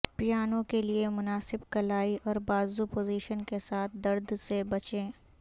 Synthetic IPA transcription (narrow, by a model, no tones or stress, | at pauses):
pijaːnõkeliemʊnaːsɪbkɐlaːiʔɔːɾbaːzupoːziːʃənkesaːt̪̚ʰd̪ɐɾd̪sebɐt͡ʃẽː